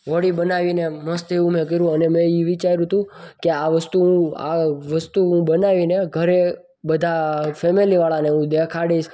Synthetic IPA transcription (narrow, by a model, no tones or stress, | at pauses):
ʋəɽibənaʋineməst̪eũmẽkəɾũənemɛ̃iʋit͡ʃaɾũt̪ʰũkeaʋəst̪uũa̰ʋəst̪uɦũbənaʋineɡʱəɾe | bəd̪ʱafemiliʋaɭaneũd̪ekʰaɽiʃ